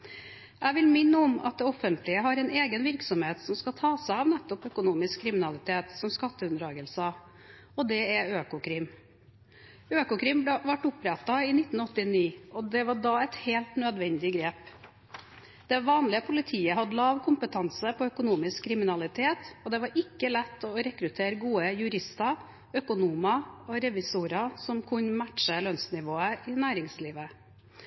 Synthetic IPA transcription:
ʔæɪʋɪlmɪnːəɔmɑ̰t̪̚d̪ɛɔfənt̪lɪəɦɑɾɛneːɡənʋɪɾksɔmheːt̪sɔmskɑt̪ʰɑːsæɪɑʋnɛt̪ːɔpœkʊnuːmɪskʰːɾɪmɪnɑlɪt̪ʰeːt̪sɔmskɑt̪ːəʉnd̪ɾɑːɡəlsɑ | ɔd̪ɛɛøːkʊkʰɾɪm | øːkʊkʰɾɪmblɛʋɑʈːʊpɾɛt̪ːɑɪnɪt̪ːn̩ɔt̪ːɪniːɔd̪ɛʋɑɖɑːɛt̪heːlt̪nœd̪ʋɛnd̪ɪɡɾeːp | d̪̥ɛʋɑːnlɪəpʰʊlɪt̪ʰiːəhɑd̪əlɑːʋkʰʊmpət̪ʰɑnsəpʰɔœkʊnuːmɪskʰːɾɪmɪnɑlɪt̪ʰeːt̪ɔd̪ɛʋɑɾɪkːəlɛt̪ːɔɾɛkɾʉt̪ʰeːɾɡuːəjʉɾɪst̪ɑ | œkʊnuːmɑɔɾɛʋɪsuːɾɑsɔmkʰʉɲmæʈʂəlœnsnɪʋoːəɪnæːɾɪŋsliːʋə

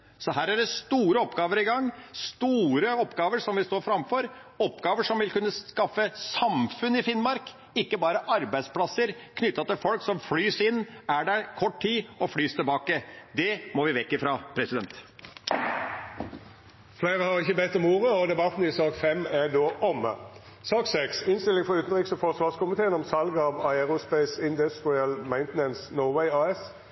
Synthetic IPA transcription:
sɔɦæːɾæɖɛst̪uːɾəɔpɡɑːʋəɾɪɡɑŋːst̪uːɾəɔpːɡɑːʋəʂɔmʋɪst̪oːɾfɾɑmfɔɾ | ɔpːɡɑːʋəʂɔmʋɪlkʉnːəskɑfːəsɑmfʉnɪfɪnmɑɾk | ɪkːəbɑːɾəʔɑɾbæɪspʰlɑsəɾkʰnʏt̪ːɑt̪ɪlfɔlksɔmflyːsɪnːæɖɛkʰɔʈt̪ʰiːɔflyːst̪ʰɪlbɑːkəd̪ɛmɔʋɪʋɛkːəfɾɑpʰɾɛsɪd̪ɛnt̪ | fleɪʁəhɑʁɪçəbɛt̪ːɔmuːʁəɔd̪ɛbɑt̪n̩ɪsɑːkfɛmæd̪oːʔɔmə̰ | sɑːksɛksɪnst̪ɪlɪŋfɔʁʉːt̪n̩ʁɪːksɔfɔʁsʋɑːʁskʊmɪt̪ʰeːənɔmsɑlɡɑːʋɑɪɛʁʊspɛɪsɪnd̪ɛst̪ʁɪɛlmæɪnt̪nɛnsnɔːwɛɪɑːɛs

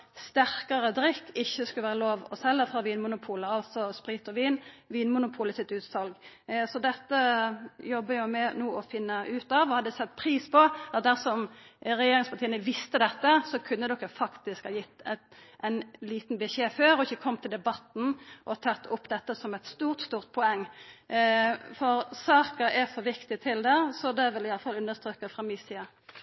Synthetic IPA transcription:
st̪æɾkəɾəd̪ɾʏkːɪçːəskʉləʋæːɾəloːʋɔshɛlːəɾfɾɑʋiːnmʊnʊpʰuːləɑlt̪sɔspɾiːt̪ɔʋiːnʋiːnmʊnʊpʰuːləsɪt̪ʉːt̪sɑlɡ | sɔd̪ɛt̪ːəjɔbːəjʊmɛnuːɔfɪnːəʔʉːt̪ɑːʋɔhɑd̪ɛsɛt̪ːpʰɾiːspʰɔd̪æɾsɔmɾɛjeːɾɪŋspɑt̪ʰiːənəʋɪst̪əd̪ɛt̪ːəsɔkʰʉnːəd̪ɔkːəfɑkt̪ɪskhɑːjɪt̪ːɛt̪ʔɛɪnliːt̪n̩bɛʃeːføːɾɔɪçːəkʰɔmːt̪ʰɪld̪ɛbɑt̪n̩ʔɔt̪ʰɑt̪ːʊpːd̪ɛt̪ːəsɔmɛt̪st̪uːʁt̪st̪uːʁt̪̚pʰɔɛŋː | fɔɾsɑːkəɾɛɾfɔɾʋɪkt̪ɪt̪ʰɪld̪ɛsɔd̪ɛʋɪlɪjɑlːəfɑlʉnːəst̪ɾøːkəfɾɑmiːsiːə

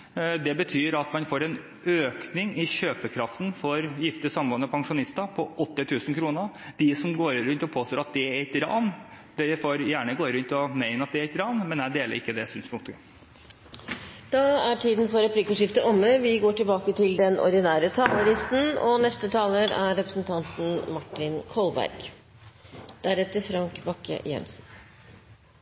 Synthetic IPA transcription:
d̪ɛbət̪ʰyːɾɑt̪mɑnfoːɾɛn | øːknɪŋɪɕøːpəkʰɾɑft̪n̩fɔɾjɪft̪əsɑmʋɑnːəpʰɑŋʂʊnɪst̪əpʰɔʔɔt̪ːɪt̪ʰʉːsn̩kʰɾuːnə | d̪̥ɪsɔmɡoːɾɾʉnt̪ɔpʰoːst̪oːɾɑt̪̚d̪ɛæɛt̪ɾɑ̰ːnd̪̥ɛfoːɾjæːɳəɡoːɾʉnt̪ɪɔmæɪnəɑt̪̚d̪ɛɾɛɪt̪ɾɑːnmɛnæd̪eːlə̰ɾɪ̰kːəd̪ɛsyːnspʊŋkt̪əə | d̪̥ɑæʈʰiːd̪n̩fɔɾɛpʰliːkʊʂɪft̪əʔɔmːəʋɪɡoːʈɪlbɑːkət̪ʰɪld̪ɛnʔɔ̰ɾɖ̪ɪnæːɾət̪ʰɑːləɾɪst̪n̩ɔnɛst̪ət̪ʰɑːləɾæɾːɛpɾəsnt̪ʰɑnt̪n̩mɑʈːɪnkʰɔlbæ̰ɾɡ̥ | d̪̥æɾɛt̪ːəɾfɾɑŋkbɑkːə̰jɛ̰nsn

